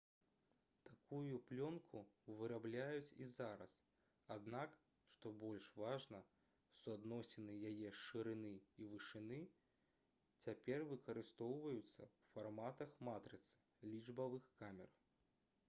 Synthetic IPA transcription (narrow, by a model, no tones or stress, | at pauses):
t̪akujuplʲɔnkʰuvɨɾablʲajut͡sʲizaɾɐ̰s | ad̪nak | ʂt̪ɔbɔlʲʂvaʐnɐ | suad̪nɔsʲɪnɨjajɛʂɨɾɨnɨivɨʂɨnɨ | t͡sʲapʲɛrvɨkɐɾɨst̪ɔwvɐjut̪sːɐ̰wfarmat̪ɐxmat̪ɾɨt̪sɨ̥ | lʲiʐbɐvɨxkamʲɛ̰r